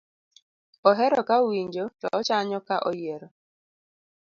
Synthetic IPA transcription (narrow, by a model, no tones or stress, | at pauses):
ɔɦɛɾɔkauwiɲd͡ʒotɔːt͡ʃaɲɔkaʔɔjeɾɔ